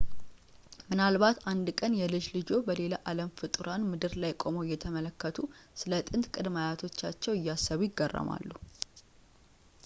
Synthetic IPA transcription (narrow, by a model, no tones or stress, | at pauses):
mɨnalβat̪and̪kʼənjɛlɨd͡ʒlɨd͡ʒo̞bəle̞laʔaləmfɨt̪ʼɨɾanmɨd̪ɨɾlajkʼo̞mojːɛt̪ʰəmələkːət̪ʰusɨlət̪ʼɨnt̪kʼɨd̪majat̪ʰo̞t͡ʃːat͡ʃːɛwɪjːasːəβujɪɡːərːə̰ma̰lːu